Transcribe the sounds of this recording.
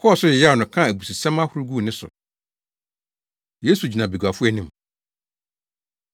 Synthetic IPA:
kʰɔ˦˨sʊ˦ɪ˨ja˦˨nʊ̃˨kʰã˦˨æ˨bu˨si˨sɛ̃˦ma˦hʊ˨ɾu˦ɡu˦˨nɪ̃˦sʊ̰˨ | je˦su˨d͡ʑi˨nã˨be˨ɡa˨fʊ˦ɛ˨nɪ̃˦m

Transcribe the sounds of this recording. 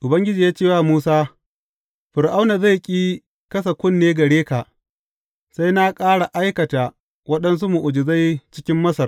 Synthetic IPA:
ʔʊ˨bɐ˦ŋɡʲɪ˦d͡ʒiː˨jaː˦t͡ʃeː˦˨waː˦˨muː˦saː˦ | ɸɪ˨ɾʔa˦wna˨za˦˨jkʲʼiː˦ | kɐ˦s̬ɐ˨kʷʊ˦nːeː˦ɡɐ˨ɽeː˦ka˨ʔ | sa˦jna˦kʼaː˦ɽa˨ʔa˦jkɐ˨ta˨ | wɐ˦ɗɐ˦ns̬u˦mu˨ʔʊ˨d͡ʒɪ˨za˦jt͡ʃɪ˦kʲɪ˦mːɐ˦sɐ˨r

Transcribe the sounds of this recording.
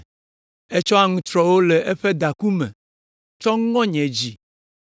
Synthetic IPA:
e˦t͡ʃɔ˦a˦ŋũ˦t̪ɾɔ˨wo˦lɛ˨ʔɛ˦ɸe˦d̪a˨ku˦mɛ̰̃˨ | t͡ʃɔ˦ŋɔ̃˦ɲɛ̃˨d͡ʑi˨

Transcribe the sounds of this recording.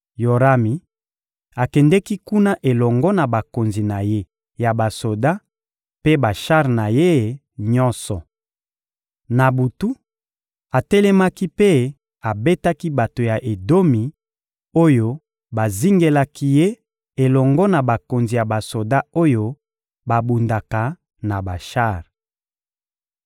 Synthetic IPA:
jo˨ʁa˦mi˨ | a˨kɛ˨ndɛ˦ki˦ku˦na˦ʔe˨lɔ˨ŋɡɔ˦na˨ba˨ko˨nzi˨na˨je˦ | ja˨ba˨so˨da˦ | pe˦ba˨ʃa˦ʁna˨je˦˨ | ɲɔ˦nsɔ˨ | na˨bu˨tu˦ | a˨tɛ˦lɛ˦ma˦ki˦pe˦ | a˨be˦ta˦ki˦ba˨to˨ja˨ʔe˨do˦mi˨ | o˦jo˦ | ba˨zi˦ŋɡe˦la˦ki˦je˦ | e˨lɔ˨ŋɡɔ˦na˨ba˨ko˨nzi˨ja˨ba˨so˨da˦o˦jo˦ | ba˨bu˨nda˨ka˨ | na˨ba˨ʃa˦˨ʁ

